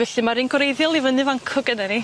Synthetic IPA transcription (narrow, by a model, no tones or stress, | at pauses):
vɛɬɨmaɾinɡwɾejðjɔlˠivənɨvaŋkʰɔɡənɛni